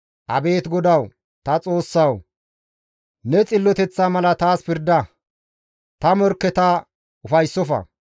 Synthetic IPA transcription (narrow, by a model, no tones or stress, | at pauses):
ʔɐbe̞ːt̪ɡɔd̪ɐw | t̪ɐt͡sʼo̞ːsːɐw | nɛt͡sʼɪlːɔt̪ɛt͡sːamɐlɐt̪aːspɪɾd̪ɐ | t̪ɐmɔɾkːɛt̪a | ʊfɐjsːɔfɐ̰